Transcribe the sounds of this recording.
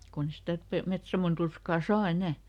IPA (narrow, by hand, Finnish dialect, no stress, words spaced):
kunː e sitæ pe metsɑmon turskɑˑ sɑː enæˑ